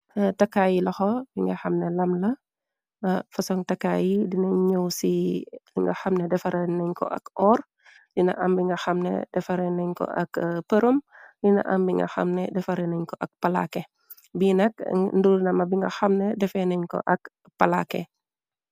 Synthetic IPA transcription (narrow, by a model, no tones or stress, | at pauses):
tɐkːaːjilɐxɔbiŋɡɐxɐmnɛlɐmlɐ | fɐsɔŋtɐkːaːjidinɐɲəwsibiŋɡɐxɐmnɛdɛfɐɾɛnɛɲkɔ̰ʔɐ̰kʔɔːr | dinɐ̰ʔɐmbiŋɡɐxɐmnɛ̰dɛfɐɾɛnɛɲkɔ̰ʔɐ̰kpəɾumdinɐ̰ʔɐmbiŋɡɐ̰xɐ̰mnɛdɛfɐɾɛnɛɲkɔʔɐk̚pɐla̰kɛ | binɐk̚ndunɐmɐbiŋɡɐxɐmnɛdɛfɛnɛɲkɔ̰ʔɐk | pɐla̰kɛ